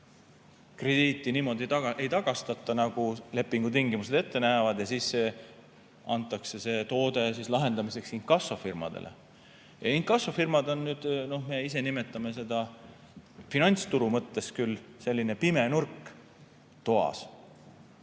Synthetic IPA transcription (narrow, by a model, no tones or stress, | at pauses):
kre̞d̪̥iːt̪ˑːiniːmo̞d̪ie̞jt̪ɑɡ̥ɑst̪ɑt̪ːˑɑnɑɡ̥ule̞pːˑiŋɡ̥ut̪̬iŋɡimus̬e̞d̪e̞t̪ːe̞næːvɑd̪̥jɑsisːe̞ | ʔɑnt̪ˑːɑkse̞se̞t̪o̞ːd̪e̞s̬islɑɦe̞nd̪ɑmise̞ksiŋkːɑsːo̞firmɑ̰d̪ḛlʔḛ | jɑiŋkːˑɑsːo̞firmɑd̪o̞nːyːd̪̥no̞hmeis̬e̞nime̞t̪ːˑɑme̞se̞d̪̥ɑ | finɑnʲt̪st̪uɾumɤt̪ːe̞skylse̞lʲːine̞pime̞nurkː | t̪oɑ̰s